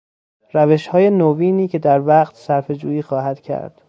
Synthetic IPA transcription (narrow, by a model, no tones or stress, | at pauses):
ræveʃhɒːje̞noviːniːcʰe̞d̪æɾvæqt̪ʰsæɾfe̞d͡ʒuːiːxɒːɦæd̪̥cʰæ̰ɾd̪̥